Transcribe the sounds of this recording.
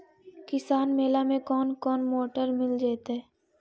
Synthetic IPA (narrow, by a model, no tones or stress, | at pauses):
kɪsaːnmeːlamẽkɔːnkɔːnmoːʈəɾmɪld͡ʒeːt̪ɦɛː